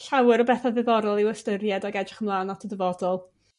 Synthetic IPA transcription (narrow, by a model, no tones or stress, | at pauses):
ɬawɪɾɔbɛθaðɪvɔɾɔlˠɪwəstəɾjɛdaɡɛdrɪχəmlˠaːnɔtʰədəvɔdɔlˠ